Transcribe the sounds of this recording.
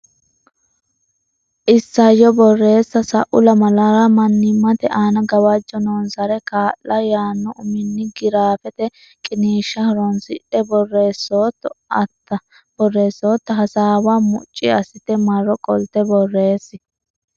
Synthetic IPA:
ʔɪsːɐjːɔbɔrːe̞ːsːɐsɐʔʊlɐmɐlɐɾɐmɐnːɪmːɐt̪ɛʔaːnɐɡɐwɐd͡ʒːɔnɔnsɐɾɛkaːlːɐjaːnːɔʊmɪnːɪɡɪɾaːfɛt̪ɛ | kʼɪniːʃːɐhɐɾɔnsɪ̰ᶑɛbɔrːe̞ːsːoːt̪ːɐt̪ːɐ | b̥ɔrːe̞ːsːoːt̪ːɐɦɐsaːwaːmʊ̰t͡ʃʼːɪɐsɪt̪ɛmɐrːɔkʼɔlt̪ɛbɔrːe̞ːsːɪ

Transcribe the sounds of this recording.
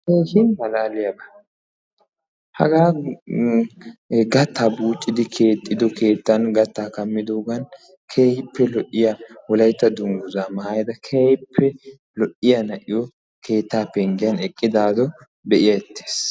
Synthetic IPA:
keːʃɪnmɐlaːlɪjɐbɐ | hɐ̰ɡaː | ɡɐt̪ːaːbuːt͡ʃʼːɪd̪ɪkʰe̞ːt̪ʼːɪd̪ɔkʰe̞ːt̪ːɐnɡɐt̪ːaːkɐmːɪd̪oːɡɐn | kʰeːjɪpːɛlɔʔɪjawɔlɐjt̪ːɐd̪ʊŋɡʊzaːmɐhajd̪ɐkʰeːjpʰːɛ | lɔʔɪjɐnɐʔɪjɔ | kʰe̞ːt̪ːaːpːɛŋɡɪjɐnɛkʼːɪd̪aːd̪ɔ | dɛʔɪjɐɛt̪ʰːe̥ːs

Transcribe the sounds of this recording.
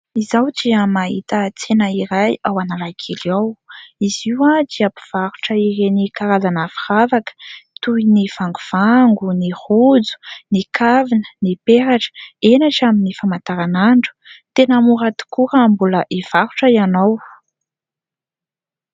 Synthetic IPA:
izawd͡ʒiəmaɦit̪ət͡senəiɾajawanalakʰeliawiziwad͡ʒiapi̥v̥aɾuʈ͡ʂəiɾenikaɾazanəfi̥ravakə̥t̪uiniv̥aŋɡuv̥aŋɡunihud͡zu̥nikʰavinənipeɾaʈ͡ʂə̥enaʈ͡ʂaminifamant̪aɾanaɳɖ͡ʐu̥t̪enəmuɾət̪u̥kuɾəmbuləʔiv̥aɾuʈ͡ʂəianow

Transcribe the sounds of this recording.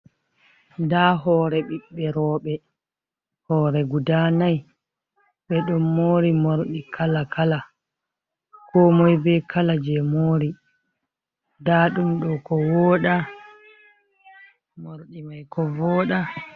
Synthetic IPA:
daɦɔːɾɛɓiɓːɛɾɔːɓɛ | hɔːɾɛɡudaːnaj | ɓɛɗɔmːoːɾimoɾɗikʰalakala | kɔmɔjbɛkalad͡ʒɛmoːɾi | daɗumɗɔkɔwɔːɗa | moɾɗimajkɔvɔːɗa

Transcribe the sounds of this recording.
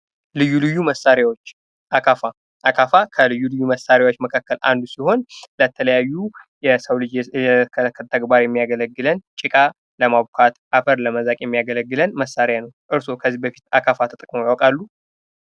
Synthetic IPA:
lɨjːulɨjːuməsːaɾjawot͡ʃː | ʔakʰafa | ʔakʰafakʰəlɨjːulɨjːuməsːaɾjawo̞t͡ʃːməkʰakːəlʔa̰nd̪usiho̞nlət̪ʰələjajːujɛsəwlɨd͡ʒɛkʰəkʰːət̪ʰəɡbaɾjɛmːijaɡələɡːɨlənt͡ʃʼɪkʼa | ləmaβkʰat̪ʔafəɾləməzakʼjɛmːijaɡələɡːɨlənməsːaɾjanəwʔɨɾso̞kʰəzːihbəfi̥t̪akʰafat̪ʰət̪ʼəkʼmojawkʼalːu

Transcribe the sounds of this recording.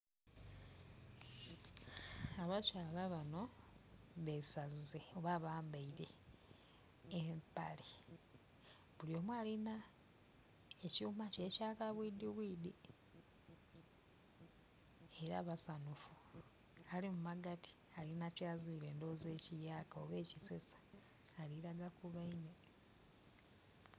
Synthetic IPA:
aβat͡ʃaːlaβano̞ | βesazzeoβaβaːmbaiɾe̞̰ | mpa̰le | βuljomwaːlina | ecuːmace̞ːcaːkaβwiːdiβwiːdi | eɾa̰ːβasanufu | alimumaɡati̥ | alinacaːzwuiɾe̞ːndo̞zeːcijaːkaoβe̞ːcisesḁː | liɾaɡakuβaine̞

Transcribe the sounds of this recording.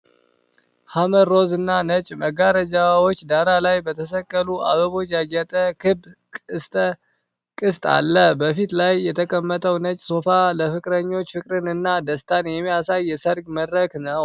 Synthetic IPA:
haməd̪ɾo̞zɨnːanət͡ʃʼməɡaɾəd͡ʒawo̞t͡ʃːd̪aɾalajbət̪ʰəs̬əkʼːəlua̰βəβo̞t͡ʃːjaɡɛt̪ʼəkʰɨbkʼɨst̪ʼə | kʼɨst̪ʼa̰lːəbəfit̪lajːɛt̪ʰəkʼəmːət̪ʼʰəwnət͡ʃʼso̞faləfɨkʼɾəɲːo̞t͡ʃːfɨkʼɾɨnɨnːad̪əst̪ʰanjɛmːijasajːɛsəɾɡməd̪ɾəknəw

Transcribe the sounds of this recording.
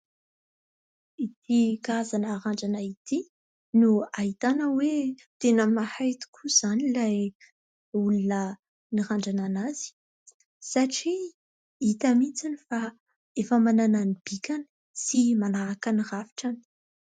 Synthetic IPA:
it̪ʰikazanaːɾaɳɖ͡ʐanait̪i | nuaɦit̪anəwet̪enəmahajt̪u̥kʰuz̥anilaj | ulunə | niɾaɳɖ͡ʐananaz̥i̥ | saʈ͡ʂi | it̪amit͡sinifa | efəmanananib̥ikʲani̥ | simanaɾakanirafi̥ʈ͡ʂani̥

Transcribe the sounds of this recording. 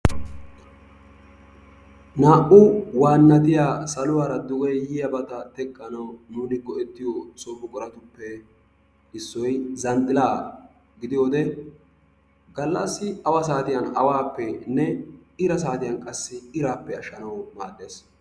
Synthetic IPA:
naːʔʊwaːnːɐt̪ɪjaːsɐlʊwaːɾɐd̪ʊɡʼɛjjɪjɐbɐt̪ɐt̪ɛkʼːɐnɐwnuːnɪɡɔɛt̪ːɪjosɔbʊkʼɔɾɐt̪ʊpːɛ | ɪsːɔjzɐnt̪ʼːɪlaː | ɡɪd̪ɪjoːd̪ɛ | ɡɐlːɐsːɪɐwɐs̬aːt̪ɪjɐnɐ̰waːpːɛnɛɪɾɐsaːt̪ɪjɐnkʼɐsːɪɪɾaːpːɛɐʃːɐnɐwmaːɗeːs

